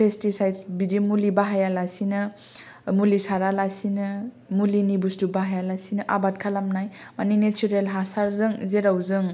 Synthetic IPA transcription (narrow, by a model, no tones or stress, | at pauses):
pʰestisajdsbidimulibaɦajalasinɯ | mulisaɾalasinɯ | mulinibusdubaɦajalasinɯʔabat̚kʰalamnaj | maninet͡ʃuɾelɦasaɾzɯŋzeɾawzɯŋ